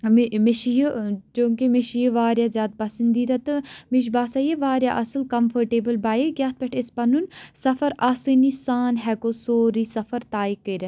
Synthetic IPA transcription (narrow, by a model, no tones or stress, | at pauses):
miʃjut͡ʃũːŋkimiʃjiʋaːɾjaːzʲjaːd̪̚pɐsɐnd̪iːd̪ɐt̪ɨmiʃ̬baːsajeʋaːɾjaʔɐsəlkɐmfʰɐɾʈeːbəlbaːjekjaːt̪̚pɛʈʰɪspɐnunsɐfɐɾɐsinisaːnɦɛkosoːɾisɐfɐɾt̪aːikəɾɐ